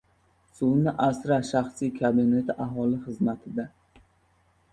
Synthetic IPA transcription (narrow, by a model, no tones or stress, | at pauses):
sunɪʔasɾaʃaχsikʰabɪne̞t̪ʰɪʔaɦɒlɪχɨzmat̪ʰɪd̪a